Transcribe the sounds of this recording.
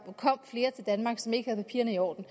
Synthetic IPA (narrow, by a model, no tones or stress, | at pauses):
kʰɒ̽m̰fle̝ːɐt͡sʰe̝ld̥ænmɑ̈ːɡ̥sɒ̽me̝ɡ̥əhæð̞̩ˠpʰæpʰḭɐnəiɒ̰ːd̥n̩